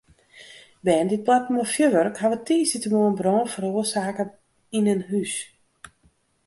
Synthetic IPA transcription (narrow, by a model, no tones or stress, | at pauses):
bɛːndit̚blatmofjøʋørkhaʋətʰiːsitəmoənbrɔːnfəɾoəsaːkə | inənɦys